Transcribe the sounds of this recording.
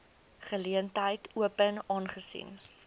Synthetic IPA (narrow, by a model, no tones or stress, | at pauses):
χəliəntəjtuəpənɑːnχəsḭn